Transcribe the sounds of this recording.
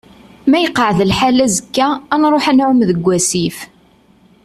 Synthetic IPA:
mæjəqːəʕðəlħalæzəkːæːnɾˤoħænʕʊmðəɡʷːæsif

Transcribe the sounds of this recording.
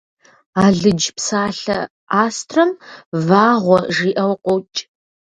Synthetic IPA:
aːɮɨd͡ʒpsaːɬɐ̰ | aːstʰrɐmvaːʁʷɔʐiːʔɐwqʷʼɔwt͡ʃʼ

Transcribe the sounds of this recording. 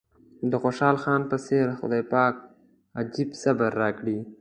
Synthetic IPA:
d̪əxoʃɑːlxɑːnpəseɾxʊ̰d̪ɑːjpɑːk̚ | ad͡ʒibsabaɾːɑːkɽi

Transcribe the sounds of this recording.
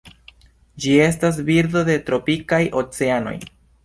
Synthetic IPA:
d͡ʒie̞s̬tas̬biɾdo̞de̞tɾo̞pikajʔo̞t͡se̞ano̞̰j

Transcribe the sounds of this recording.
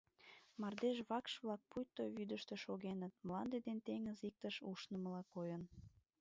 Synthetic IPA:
mɑrd̪eʃβɑkʃβlɑk̚pujt̪ːojβyd̪əʃt̪eʃoɣenət̪̚məlɑnd̪ed̪ent̪eŋəzik̚t̪əʃuʃnə̆məlɑkojən

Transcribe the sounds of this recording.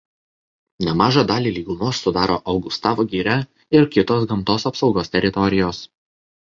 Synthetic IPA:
nʲɛmɑːʒɑd̪ɑːlʲiːlʲiːɡʊmuːsːʊd̪ɑːɾo̰ːʔɐʊɡʊst̪ɑːʋoːɡʲiːɾʲɛ | ɪɾkʲɪt̪oːs̬ɡɐmt̪oːsɐpsɒʊɡoːst̪ʲɛɾʲɪt̪ɔɾʲɪjoːs

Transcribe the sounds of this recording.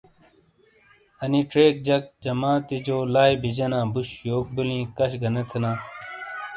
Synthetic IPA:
ɐniʈ͡ʂɾeːk̚d͡ʑɐk̚d͡ʑɐmãːt̪id͡ʑoːlaːjbid͡ʑɐnãːbuɕjoːk̚bulĩːkɐɕɡɐnɐt̪ʰɐnãː

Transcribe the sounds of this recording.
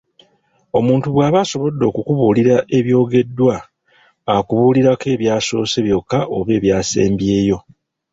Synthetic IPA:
o̞muːntuβwaːβaso̞βo̞d̪ːo̞ːkukuβuːliɾaʔe̞βjo̞ːɡe̞dːwaː | kuβuːliɾake̞ːβjaːso̞ːse̞βjo̞kːaʔoβe̞ːβjaːsḛːmbje̞ːjo̞

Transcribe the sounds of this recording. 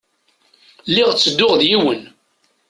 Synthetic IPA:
lːɪʁt͡sːəd̪ːʊʁðjiwən

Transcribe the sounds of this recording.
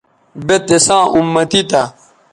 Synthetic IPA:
bet̪esãːʔumːɐt̪it̪a

